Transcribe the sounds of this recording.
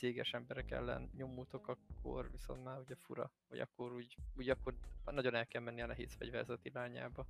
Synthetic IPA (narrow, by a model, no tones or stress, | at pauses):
seːɡɛʃɛmbɛɾɛkɛ̰lːɛ̰nɲo̞mːuːt̪o̞kɒkʰːo̞̰rviso̞̰nt̪maːɾuɟɛfuɾɒ̰vɒ̰ɟɒ̰kːo̞ɾuːɟuːɟɒkːornɒɟo̞nɛlkɛlmɛnːiɒnɛɦḛːzfɛ̰ɟvɛrzɛt̪iɾaːɲa̰ːbɒ